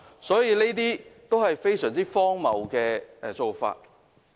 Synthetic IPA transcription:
sɔː˨˥jiː˨˧ne˥t̪̬iː˥t̪o˥whɐ˨jfe˥jsœː˨˩ŋt͡siː˥fɔː˥ŋmɐ˨˩wkɛː˧˨˧t͡so˨wfa̰ː˧t̚

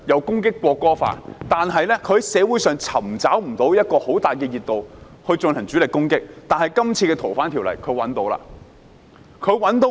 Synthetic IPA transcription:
jɐ˨˧wkʊ˥ŋkɪ˥kːʷɔː˧kːɔː˥fa̰ː˧˥tt̪aː˨nɦɐ˨jlɛ˥kʰɵ˧˥sɛː˨˧wu˨˥jsœː˨ŋt͡sʰɐ˨˩mt͡saː˨˥wm̩˨˩t̪o˨˥wjɐ˥t̚kɔː˧ho˨˥wt̪aː˨jkɛː˧jiː˨t̚t̪o˨w | hɵ˧ɥt͡sɵ˧nhɐ˨˩ŋt͡syː˨˥lɪ˨kːʊ˥ŋkɪ˥k̚t̪aː˨nhɐ˨jkɐ˥mt͡sʰiː˧ɛː˧t̪ʰo˨˩wfaː˨˥nt̪ʰiː˨˩wlɐ̰˨˩jkʰɵ˨˧ɥwɐ˨˥nt̪o˨˧˥wla̰ː˧ | kʰɵ˨˧˥ɥwɐ˨˥nt̪o˨˥w

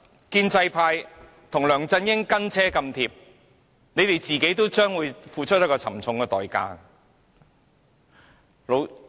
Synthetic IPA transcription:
kiː˧nt͡sɐ˧jpʰaː˧j | t̪ʰʊ˨˩ŋlœː˨˩ŋt͡sɐ˧njɪ˥ŋkɐ˥nt͡sʰɛː˥kɐ˧mt̪ʰiː˧p̚ | ne˨˧jt̪e˨jt͡siː˨ke˨˥jt̪̬o˥wt͡ʃœː˥ŋwuː˨˧jfuː˨˧t͡ʃʰt̚jɐ˥kːɔː˧t͡sʰɐ̰˨˩mt͡sʰʊ˨˧ŋkɛ˧t̪ɔː˨jka̰ː˧ | lo˨˧w

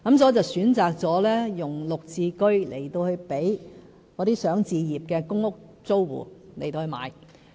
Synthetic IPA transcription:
kɐ˨˦msɔː˨˥t͡sɐ˨˩wsyː˨˥nt͡saː˨˩k̚t͡sɔː˨˥lɛː˥jʊ˨˩ŋlʊ˨k̚t͡sʰiː˧kɵ˥ɥlʔe˨˩jt̪o˧whɵ˧pe˨˥j | kɔː˨˧t̪iː˥sœː˨˥ŋt͡siː˧jiː˨˩p̚kɛː˧kʊ˥ŋʊ˥k̚t͡so˥wwṵː˨˩le˨˩jt̪o˧hɵ˧ma̰ː˨˧j

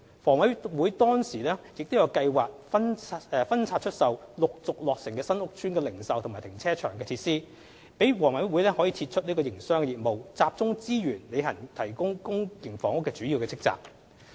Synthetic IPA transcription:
fɔː˨˩ŋwɐ˨˥jwuː˨˥jt̪ɔː˥ŋsiː˨˩lɛː˥jɪ˨k̚t̪wjɐ˧wkɐ˧jwaː˨k̚fɐ˥nɛ˨˧fɐ˥nt͡sʰaː˧t̚t͡ʃʰɵ˥t̚sɐ˨wlʊ˨k̚t͡sʊ˨k̚lɔː˨k̚sɪ˨˩ŋkɛː˧sɐ˥nʊ˥k̚t͡ʃʰyː˥nkɛ˧lɪ˨˩ŋsɐ˨wt̪ʰʊ˨˩maː˨˩jt̪ʰɪ˨˩ŋt͡sʰɛː˥t͡ʃʰœː˨˩ŋkɛː˧t̪ʰiː˧t̚siː˥ | pe˨˥jwɔː˨˩ŋwɐ˨˥jwuː˨˥jlɛː˥hɔː˨˥jiː˧t̪ʰi˧t̚t͡ʃʰɵ˥niː˥kɔː˧jɪ˨˩ŋsœː˥ŋkɛ˧jiː˨˩t̚mo˨wt͡saː˧p̚t͡sʊ˥ŋt͡siː˥jyː˨˩nle˨˧jɦɐ˨˩nt̪ʰɐ˨˩jkʊ˥ŋkʊ˥ŋkɪ˨˩ŋfɔː˨˩ŋʊ˥kːɛː˧t͡syː˨˥ji˧wkɛː˧t͡sʰɪ˥k̚t͡sa̰ː˨k̚

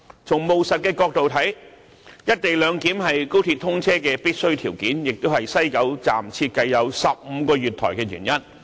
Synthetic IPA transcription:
t͡sʰʊ˨˩ŋmo˨wsɐ˨t̚kɛː˧kɔː˧k̚t̪o˨wt̪ʰɐ˨˥j | jɐ˥t̚t̪e˨jlœː˨˧ŋkiː˨˥mɦɐ˨jko˥wt̪ʰiː˧t̪ʰʊ˥ŋt͡sʰɛː˥kɛː˧piː˥t̚sɵ˥ɥt̪ʰiː˨˩wkiː˨˥njɪ˨k̚t̪o˥whɐ˨jsɐ˥jkɐ˨˥wt͡sa̰ː˨mt͡sʰi˧t̚kɐ˧jːɐ˨˧wsɐ˨p̚m̩ː˨˧kɔː˧ɥyː˨˩t̪ʰɔ̰ː˨˩jkɛː˧jyː˨˩njɐ˥n

